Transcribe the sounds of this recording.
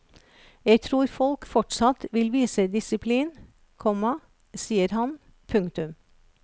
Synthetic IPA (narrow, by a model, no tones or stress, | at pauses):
jeɪt̪ʰɾuːɾfɔlkfɔʈsɑt̪ʋɪlʋiːsəd̪ɪsɪpʰliːn | kʰɔmɑ | siːəɾhɑn | pʰʉŋkt̪ʉm